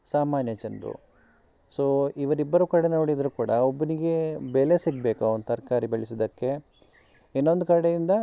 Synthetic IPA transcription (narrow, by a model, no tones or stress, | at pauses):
saːmaːnjɐt͡ʃɐnd̪ṵ | soːiʋɐɾibːɐɾukɐɽenoːɽid̪ɐɾukuːɽɐobːɐniɡe̞belesiɡbeːkɐɐnd̪t̪ɐɾkaːɾibeɭisid̪ɐkːe̞ | enːond̪ukɐɽejind̪ɐ